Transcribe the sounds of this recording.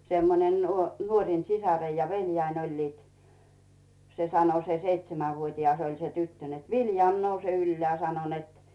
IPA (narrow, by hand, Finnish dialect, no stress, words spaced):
semːonen nuo nuorʲin sisɑreij jɑ ʋelʲjæin olʲliːt se sɑno se seitsemæʋuotʲiɑs olʲ se tytːø net ʋiljɑˑm nouse ylːĕæˑ sɑno net